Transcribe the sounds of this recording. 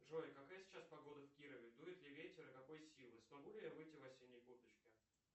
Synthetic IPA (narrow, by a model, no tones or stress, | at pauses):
ʐoɪkɐkajəsʲɪ̥t͡ɕaspɐɡo̞d̪əfʲkʲiɾəvʲɪd̪ujɪt̪lʲɪvʲetʲɪɾəkɐko̞jsʲilˠɨsmɐɡulʲɪjavɨjtʲːɪvɐsʲinʲːəjkut̪ət͡ɕkʲɪ